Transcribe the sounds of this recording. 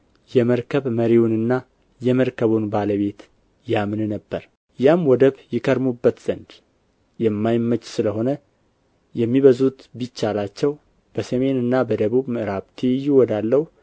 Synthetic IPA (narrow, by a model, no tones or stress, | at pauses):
jɛməɾkʰəβməɾiwnɨnːa | jɛməɾkʰəβunbaləβe̞t̪ | jamnnəbːəɾ | jamwɔd̪əβjɪkʰəɾmubːət̪z̥ənd̪ | jɛmːajmːət͡ʃːsɨləho̞nə | jɛmːiβəzut̪bit͡ʃːalat͡ʃːɛw | b̥əsəme̞nɨnːabəd̪əβuβmɨʔɨɾaβt̪ʰijːuwɔd̪alːəhu